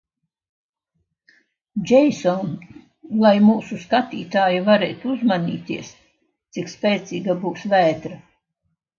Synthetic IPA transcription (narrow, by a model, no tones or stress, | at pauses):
d͡ʒɛjsɔn | lˠajmuːsuskat̪iːt̪aːjivaɾeːt̪uzmaniːt̪iəs | t̪sikspʲɛːt̪siːɡabuːsvæːt̪ɾa